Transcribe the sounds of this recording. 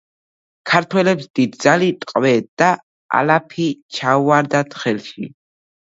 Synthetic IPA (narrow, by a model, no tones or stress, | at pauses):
kʰaɾt̪ʰwɛlɛpsd̪̥id̪̚d̪zalit̪ʼqʼvɛd̪̥a | a̰lapʰit͡ʃʰauaɾd̪at̪χɛlʃi